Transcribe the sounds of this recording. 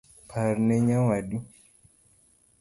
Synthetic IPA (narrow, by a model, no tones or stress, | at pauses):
pʰaɾnɛɲawaɗu